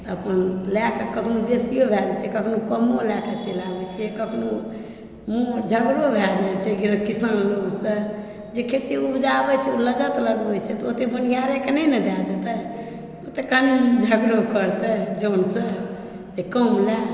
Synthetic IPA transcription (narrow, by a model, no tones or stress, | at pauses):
t̪ɔəpənlakakəpʰnod̪esijobʱɛd͡ʒɛt͡ʃʰɛkəkʰnokəmolakat͡ʃelabɛt͡ʃʰijɛkəpʰno | mod͡ʒʱəɡɾobʱɛd͡ʒat͡ʃʰɛɡiɾəkisanloksə̃ | d͡ʒekʰet̪iubd͡ʒabɛt͡ʃʰɛoləd͡ʒət̪ləɡbɛt͡ʃʰɛt̪ɔot̪ebənijaɾekenɛnəd̪ad̪et̪ɛ | ot̪ekanid͡ʒʱəɡɾokəɾt̪ɛd͡ʒonsə̃ | d͡ʒekəmlɛ